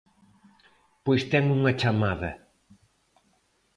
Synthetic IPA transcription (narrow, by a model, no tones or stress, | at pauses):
pojst̪ɛŋuŋɐt͡ʃamaðɐ